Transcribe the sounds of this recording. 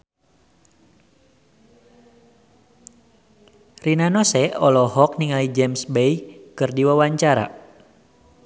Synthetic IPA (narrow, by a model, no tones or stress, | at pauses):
rinanɔsɛɔlɔhɔkniŋalid͡ʒɛmsbejkɨrdiwawaɲt͡ʃaɾa̰